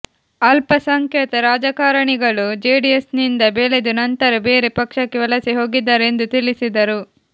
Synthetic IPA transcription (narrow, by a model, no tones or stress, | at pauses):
ɐlpɐsɐŋkjɛːt̪ɐɾaːd͡ʒɐkaːɾɐɳiɡɐɭud͡ʒeːɖiesnind̪ɐbeːled̪unɐnt̪ɐɾɐbe̞ːɾepɐkʂɐkːeʋɐlɐsiɦo̞ːɡid̪ːaːɾend̪ut̪ilisid̪ɐɾu